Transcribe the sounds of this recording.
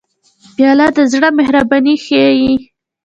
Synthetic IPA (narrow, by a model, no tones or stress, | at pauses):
bjɑlɑd̪əzɽəmehɾɑbɑnixeji